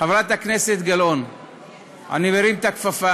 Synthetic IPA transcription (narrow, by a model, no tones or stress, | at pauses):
avɾat̪akneset̪ɡalon | a̰niveɾimt̪akfafa